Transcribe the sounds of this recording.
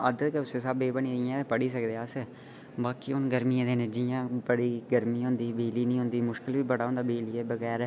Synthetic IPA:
əd̪keʊseːsaːbeːbəniijãːt̪epəɽiːsəkd̪eːas | baːkiːʊnɡəɾmiãːd̪eːnẽːd͡ʒijãːbəɽiːɡəɾmiːɦõːnd̪iːbeːliːnĩːɦõːnd̪iːmʊʃkɪlʋiːbəɽaːõːnd̪aːbeːliːɛːbəɣɛːɾ

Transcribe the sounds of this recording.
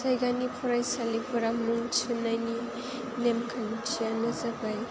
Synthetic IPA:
sajɡanipʰɔɾajsalipʰuɾamuŋt͡ʃɯnajni | nemkʰant͡ʃʰijanɯzabaj

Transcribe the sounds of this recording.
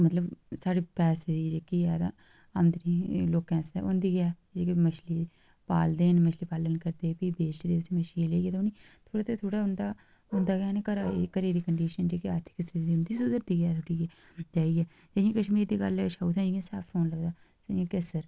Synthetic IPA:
mət̪ləbsaːɽiːpɛːsed̪id͡ʒekiɛːd̪a̰ | amd̪niloːkːɛ̃ːnsɛ̰ʔʊ̰nd̪iːɡjaː | d͡ʒekimət͡ʃʰli | paːld̪eːnmət͡ʃliːpaːlənkəɾd̪eːpibeːʃd̪eːsiməʃiːleːɡeːt̪ʊnit̪ʰoːɽaːt̪et̪ʰoːɽaʊnd̪a | ʊnd̪aːɡjaːnekəɾaːḛkəɾeːd̪iːkəɳɖiːʃənd͡ʒeːkiaːɾt̪ʰɪ̥kɪsd̪iːd̪iːʊnd̪iːsʊd̪əɾd̪iːɡaːt̪ʰoɽiːe | d͡ʒaːiɡɛː | d͡ʒeẽːkəʃmiːɾd̪iːɡə̰lʃaut̪ʰɛ̃ːd͡ʒiɡẽsaːfɾʰoːnləɡd̪aː | seĩːkesəɾ

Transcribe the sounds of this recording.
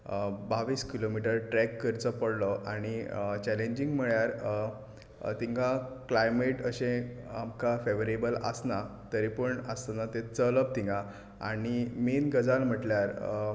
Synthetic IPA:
baʋiːskilomiʈ̬əɾʈɾɛkːəɾt͡sɔpəɽlɔʔaɽ̃it͡ɕɛlẽɲd͡ʑĩŋɡm̤əɭjaɾ | t̪ĩŋɡãklajmeʈəɕẽamkafeʋəɾebələ̰snat̪əɾipəɳəsanat̪et͡sələp̚t̪ĩŋɡa | aɽ̃imenɡəd͡zalm̤əʈljaɾ

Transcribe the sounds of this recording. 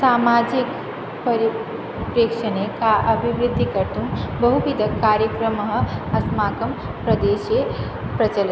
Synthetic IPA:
samad͡ʒik | pəɾi | pɾekʂənekaʔɐbʱiʋɾɪd̪ʱːikɐʈʰumbəɦubid̪ʱəkːaɾjəkɾəməɦə̆ɐsmaːkəm | pɾɐd̪eːʃje | pɾɐt͡ʃəl

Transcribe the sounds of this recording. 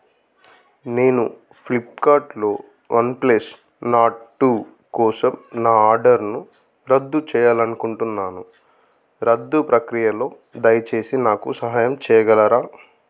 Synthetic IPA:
ne̞ːnu | plipkaːɾʈlo̞ː | ʋɐnpleːs | naːʈːu | kɔːsɐmnaːaːɾɖɐɾnu | ɾɐd̪ːut͡ʃɛːjaːlɐnukuɳʈunːaːnu | ɾɐd̪ːupɾɐkɾijɐlo̞ː | d̪ɐjɐt͡ʃe̞ːsinaːkusɐɦaːjɐmt͡ʃɛːjɐɡɐlɐɾaː

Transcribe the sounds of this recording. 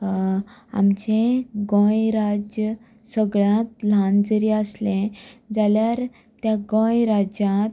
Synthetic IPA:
a̰mt͡ɕẽɡõjɾad͡ʑjə | səɡɭãt̪lãnd͡zəɾiəslẽd͡zaljaɾ | t̪jaɡõjɾad͡ʑãt̪

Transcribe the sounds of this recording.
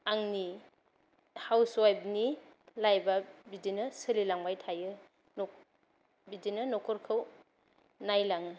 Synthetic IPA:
aŋni | hawswajb̚nilajbabidinɯsɯlilaŋbajtʰajɯ | nɔ | bidinɯnɔkʰɔɾkʰɯw | najlaŋɯ

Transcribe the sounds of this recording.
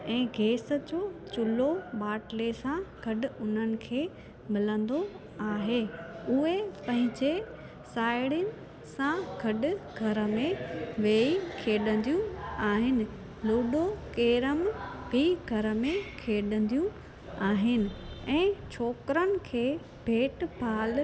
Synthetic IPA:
ɛ̃ːɡʱeːsə̆d͡ʑoːt͡ɕʊloɓaːʈlesãɡ̥ʱɐɗʊ̆ʊn̤ənɪ̆kʰeː | mɪlə̃nd̪o | aːɦeʊɦepɐ̃ɦɪ̃ɲd͡ʑe | saːɪɽjənɪ̆ | sãɡʱɐɗʊɡʱɐɾə̆mẽʋeːikʰeːɗə̃nd̪ijũaːɦɪnɪ̆ | luːɗokeːɾəmbʱiɡʱɐɾəmẽkʰeːɗə̃nd̪ijũ | aːɦɪnɪ̆ɛ̃ːt͡ɕʰoːkɾənɪ̆kʰeː | bʱeːʈpʰaːl

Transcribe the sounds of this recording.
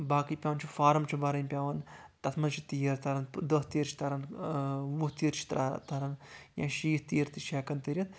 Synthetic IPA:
baːkipʲaːʋɐnt͡ʃʰifaːɾɐmt͡ʃʰubɐɾɐnʲpʲaːʋɐnt̪ɐt̪ʰmɐnt͡ʃʰi̥t̪ijɐɾt̪ɐɾɐnd̪ɐst̪iːɾt͡ʃʰi̥t̪ɐɾɐn | ʋuht̪iːɾt͡ʃʰi̥t̪ɾa̰t̪ɐɾɐnjã̰ːʃiːht̪iːɾt̪iʃɛːkɐnt̪iɾʲɐn

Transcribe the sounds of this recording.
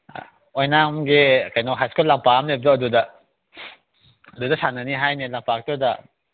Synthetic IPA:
ojnamɡekajnɔɦajskulːampaamlep̚zɔɐdudɐ | ɐdudɐsanɐniɦajnelampak̚tudɐ

